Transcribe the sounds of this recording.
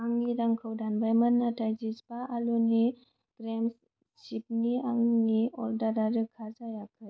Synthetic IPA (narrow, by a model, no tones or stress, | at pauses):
aŋniɾaŋkʰəwdanbajmɐnːatʰajzisbaʔːluni | ɡ̥ɾems | t͡ʃip̚niaŋniɔldaɾaɾɯkʰazajakʰɯ